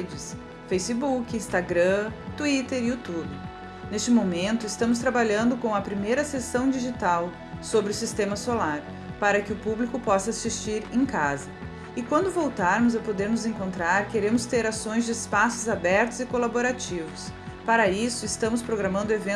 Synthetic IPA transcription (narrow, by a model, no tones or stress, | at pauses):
d͡ʒɪs | fejsɪbukɪĩst̪aɡɾɐ̃t̪uit̪eɾiut̪ubɪ | nest͡ʃɪmomẽnt̪ʊɪst̪ɐ̃mʊs̬t̪ɾabaʎɐ̃nd̪ʊkõw̃ɐpɾimejɾɐsesɐ̃w̃d͡ʒiʒit̪aw | sobɾɪʊsist̪ẽmɐsolaɾ | paɾɐkɪʊpublikʊpɔsɐasist͡ʃiɾẽkazɐ | ɪkwɐ̃nd̪ʊvowt̪aɾmʊzɛpod̪eɾnʊzẽŋkõnt̪ɾaɾkeɾẽmʊst̪eɾasõj̃zd͡ʒɪespasʊzabɛɾt̪ʊzɪkolaboɾat͡ʃivʊs | paɾɐisʊɪst̪ɐ̃mʊspɾoɡɾamɐ̃nd̪ʊevẽ